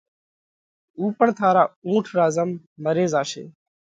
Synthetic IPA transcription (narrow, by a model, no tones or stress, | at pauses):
uːpəɳt̪ʰaːɾaːũːʈʰɾaːzəmː | əɾeːzaːʃḛː